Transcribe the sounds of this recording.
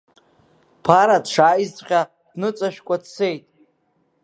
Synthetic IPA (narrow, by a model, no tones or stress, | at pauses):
pʰaɾadʂaːizʼqʲa | d̥nɨt͡sʼaʃᶣkʷʼadse̞jtʼ